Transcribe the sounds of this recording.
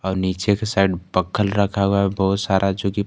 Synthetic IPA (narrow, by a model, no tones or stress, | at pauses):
ɔːɾniːt͡ʃekesaɪɖbəkʰəlɾəkʰaɦoaɦɛbɔɦʊt̪saːɾʔad͡ʒoːki